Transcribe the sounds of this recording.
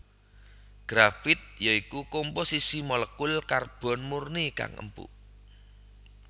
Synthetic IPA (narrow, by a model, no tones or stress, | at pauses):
ɡ̥ɾafɪt̪̚jaikukomposisimɔləkʊlkarb̥ɔ̤nmurnika̰ŋʔə̰mpṵʔ